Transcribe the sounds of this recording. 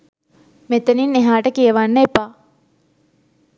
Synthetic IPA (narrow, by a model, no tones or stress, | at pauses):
met̪enineɦaːʈəkiəʋanːəepaː